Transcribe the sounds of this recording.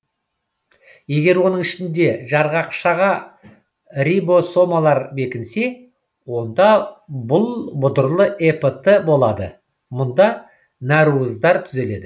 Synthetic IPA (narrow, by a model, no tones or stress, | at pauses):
je̞ɡʲe̞ɾwo̞nəŋɪʃɪnd̪e̞ʒɑɾʁɑqʃɑʁɑ | ɾʲibo̞so̞mɑlˠɑɾbe̞kʲɪnse̞ | wo̞nd̪ɑbʊlˠbʊd̪əɾlˠəʔepət̪ːəbo̞lˠɑd̪ə | mʊnd̪ɑ | næɾuəzd̪ɑɾt̪ʰʏze̞le̞d̪ɪ